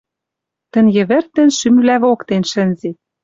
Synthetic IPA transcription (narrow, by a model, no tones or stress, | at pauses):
t̪ɘ̆njɘ̆βɘ̆rt̪ɘ̆nʃymvlæβokt̪enʃɘ̆nzet̪̚